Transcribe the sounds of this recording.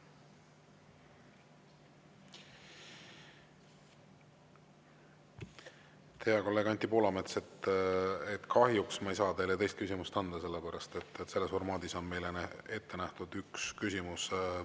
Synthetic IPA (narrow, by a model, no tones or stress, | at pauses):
t̪ʰejɑko̞lːeɡ̥ɑnʲt̪ipoːlɑmet̪set̪ | et̪kʰɑɦjuksmɑejsɑːd̪e̞jlet̪e̞jst̪̚kysʲimust̪ɑnd̪̥ɑse̞lːepæɾɑst̪e̞t̪ːˑese̞lːe̞sfo̞rmɑːd̪̥iso̞nme̞jlene̞t̪ːe̞næht̪ud̪̥ykskysʲimus